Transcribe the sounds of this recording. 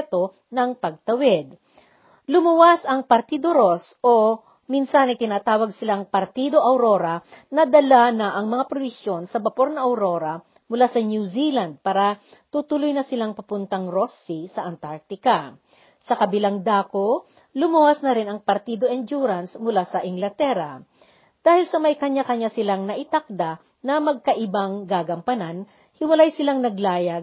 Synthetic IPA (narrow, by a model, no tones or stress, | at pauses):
t̪o̞ | nɐŋpɐɡ̚t̪ɐwɛd̪̚ | lʊmʊwasɐŋpɐɾt̪iːd̪oɾosʔo | minsanɐjt̪ɪnaːt̪aːwɐɡ̚sɪlaŋpɐɾt̪iːd̪o̞ʔɐwɾo̞ɾɐnɐd̪ɐlanɐʔɐŋmɐŋapɾobɪsjo̞nsɐbɐpo̞ɾnɐʔɐwɾo̞ːɾɐ | mʊlasɐnjuzilɐnd̪̚paːɾɐ | t̪uːt̪ʊlʊjnɐsɪlaŋpɐpʊnt̪ɐŋɾosisɐʔɐnt̪aɾk̚t̪ɪka | sɐkɐbɪlaŋd̪aːko | lʊmuwɐsnɐɾɪnɐŋpɐɾt̪iːd̪oʔɛnd͡ʒuɾɐnsmʊlasɐʔɪŋɡlɐt̪ɛɾɐ | d̪̥aːhɪlsɐmɐjkɐɲakɐɲasɪlaŋnɐʔɪt̪ak̚d̪a | nɐmɐɡ̚kɐʔɪbaŋɡaːɡɐmpɐnan | hɪwɐlajsɪlaŋnɐɡlaːjɐɡ̚